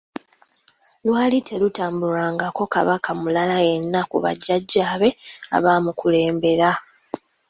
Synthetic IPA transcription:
lwaːlitʰe̞lutaːmbuɾaːŋɡako̞ka̰βakʰamulalaje̞nːakṵβa̰ɟːaɟːaːβe̞a̰βaːmukʰule̞ːmbe̞ɾa

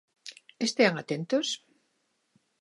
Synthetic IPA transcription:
est̪eaŋat̪ent̪os

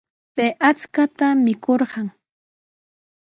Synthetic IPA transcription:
peʔat͡skat̪amɪkoɾɢɑŋ

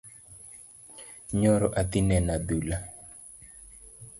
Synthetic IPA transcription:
ɲɔɾɔʔat̪inɛnad̪ula

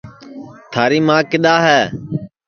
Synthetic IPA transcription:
t̪ʰaːɾiːmãːkɪɗ̪aːɦɛː

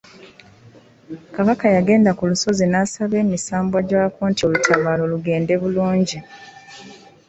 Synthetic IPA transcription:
kaβakajaɡe̞ːndakuluso̞zinasaβe̞ːmisaːmbwaɟaːkoːntio̞lutʰaβaːlo̞luɡe̞ːnde̞βuluːɲɟi

